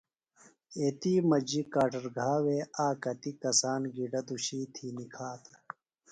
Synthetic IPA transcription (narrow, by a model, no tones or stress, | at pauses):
eːt̪iːmɐd͡ʑikaːʈɐɾɡʱaːweːaːkɐt̪ikɐsaːnɡiɖɐd̪uɕiːt̪ʰinikʰaːt̪